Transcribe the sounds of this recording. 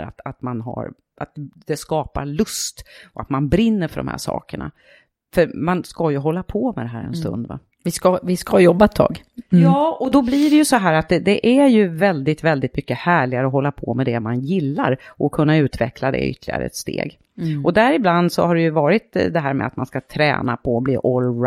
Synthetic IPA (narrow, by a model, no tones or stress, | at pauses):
a̰t̪at̪manɦa̰ɾ | ʔat̪d̪̥ɛskɑːpaɾɭɵst̪ɔat̪manbɾɪnːəɾfœɖɔmhæ̰ːʂɑ̰ːkəɳa̰ | fœɾmanskajɵɦɔlːapʰɔmɛd̪ɛɦæːɾɛ̰nst̪ɵ̰nd̪va̰ | vɪskavɪskajɔbːat̪ʰːɑ̰ːɡ | jɑːɔd̪ɔbliɖɛjɵsɔɦæːɾat̪̚d̪ɛd̪ɛʔæɾjɵvɛld̪ɪt̪vɛld̪ɪt̪mʏkːəhæːɭɪɡaɾəɔɦɔlːapʰɔ̰mɛd̪ɛmanjɪlːaɾʔɔkʰɵnːaʉ̟ːt̪vɛ̰kʰlad̪ɛ̰ʏ̰t̪ʰːəlɪɡa̰ɾə̰ɛ̰t̪st̪ḛːɡ | ʔɔd̪æɾɪbland̪sɔ̰haɖɛjɵvɑːɾɪt̪d̪ɛɦæːɾmɛ̰at̪manskat̪ʰɾɛ̰ːnapʰɔblḭːʔɔl